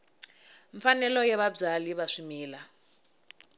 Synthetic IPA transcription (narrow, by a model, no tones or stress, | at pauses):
ɱfanɛlɔjɛβab͡ʐaliβaʂumiːla